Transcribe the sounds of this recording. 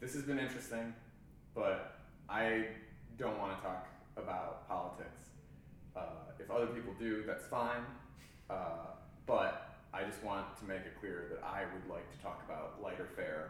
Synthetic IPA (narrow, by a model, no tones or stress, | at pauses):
ðɪshɨzbɨ̃nɪ̃nt͡ʃɹ̥ɨstɪ̃ŋ | b̥ʌɾ | ʔaɪ | dõʊ̃nʔ̚wɑ̃nɨtʰɔk | əbaʊt̚pʰɑlˠətʰɪ̰ks | ʌɨfʌðə˞pipl̩ˠdɨðætsfãɪ̃n | ʔʌ | b̥ʌɾ | ʔaɪd͡ʒʌst̚wɑ̃ntʰɨmeɪkɨt̚kʰl̥ɪɹðɨɾa̰ɪwɨdˡlaɪk̚tʰɨ̥tʰɔ̰kəba̰ʊtlaɪɾə˞fɛɹ